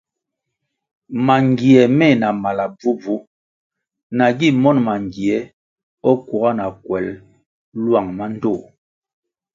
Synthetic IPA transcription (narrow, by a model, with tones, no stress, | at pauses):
ma˨ŋɡi˨ɛ˨mɛ˦˨na˨ma˨la˨b͡vu˦b͡vu˦ | na˨ɡi˦˨mɔ˦nma˨ŋɡi˨ɛ˨˦ | ɔ˦ku˨ɣa˦na˨kwɛ˨˦l | lwa˦˨ŋma˦n̩˦do˦˨